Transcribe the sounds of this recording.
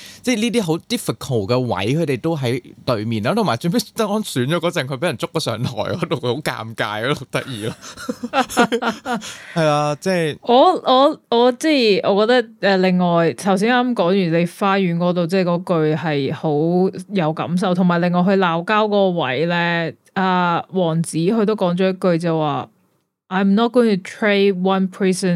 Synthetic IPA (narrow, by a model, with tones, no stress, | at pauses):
t͡sɛː˥˩liː˥t̪iː˥ɦo˨˥wt̪iː˥fɪ˨kʰo˨˩wkɛː˧wɐ̰˨˥jkʰɵ˨˧t̪e˨˩jt̪o˥wɦɐ˨˥jt̪ɵ˨˧ɥmiː˨naː˥t̪ʰo˨˩ma˨˩t͡ʃɵ˧pe˥˨˥t̪ɐ˥k̚ːɔː˥nsyː˨˥nt͡ʃɔː˨˧˥ɔː˨˥t͡sɛ˨ŋkʰɵ˧pe˨˥jɐ˨˩nt͡sʊ˥kːɔː˧sœ̰ː˨˧ŋt̪ʰɔ̰ː˨˩jɔː˨˥t̪o˨wkʰho˨˥wka̰ː˧mka̰ː˧jɔ˨˧˥t̪ɐ˥k̚jiː˨laː˧ | hɐ˨jlaː˧t͡sɛː˥jʔɔː˨˧ʔɔː˨˧ɔː˨˧t͡sɛː˥˩jʔɔː˨˧kɔː˧t̪ɐ˥k̚ʔɛː˨˧lɪ˨ŋːɔː˨jt̪ʰɐ˨˩ws̬iː˨˥naː˥mkɔː˨˥ŋjyː˨˩le˨˧jfaː˧jyː˨˥nkɔː˨˥t̪o˨wt͡sɛː˥˩jkɔː˨˥kɵ˧ɥhɐ˨jho˨˥wjɐ˨˧wkɐ̰˨˥ms̬ɐ˨wt̪ʰʊ˨˩maː˨˩jlɪ˨ŋːɔː˨jɦɵ˧ɥlaː˨˧wkaː˥wkɔː˧wɐ̰˨˥jlɛː˥ | aː˧wɔː˨˩ŋt͡siː˨˥hɵ˧ɥt̪̬o˥wkɔː˨˥ŋt͡ʃɔː˨˥jɐ˥t̚kɵ˧ɥt͡sɐ˨wwaː˨ | ʔaː˨˧jmnɔ˥t̚ɡ̥o˥ɪ˨ŋt̪ʰu˨˩tʰɹe˥wɐ˥npʰɹiː˥sə˨n